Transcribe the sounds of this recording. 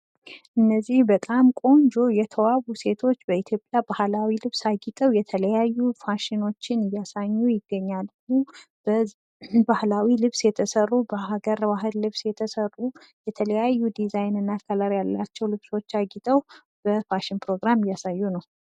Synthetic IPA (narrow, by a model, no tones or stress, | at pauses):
ʔɨnːəzːihbət̪ʼamkʼo̞nd͡ʒo̞jɛt̪ʰəwaβuse̞t̪ʰo̞t͡ʃːbəit̪ʰjo̞pʼjabahlawilɨβsaɡit̪ʼəwjɛt̪ʰələjajːufaʃɪno̞t͡ʃːɪnɨjasaɲːujɪɡːəɲːalmubə | bahlawilɨβsjɛt̪ʰəsərːubəɦaɡəɾbaɦɨlːɨβsjɛt̪ʰəsərːu | jɛt̪ʰələjajːud̪izajnɨnːakʰalaɾjalːat͡ʃːɛwlɨβso̞t͡ʃːaɡit̪ʼəw | b̥əfaʃɪnpʰɾo̞ɡɾamɨjːasajːunəw